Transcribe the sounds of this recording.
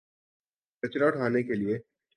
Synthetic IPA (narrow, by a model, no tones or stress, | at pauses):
kɐt͡ʃɾaʈʰaːnekelie